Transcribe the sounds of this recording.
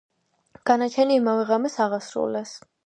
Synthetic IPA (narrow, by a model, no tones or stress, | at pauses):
ɡ̥anat͡ʃʰɛniːmavɛʁamɛsaʁasɾṵlɛs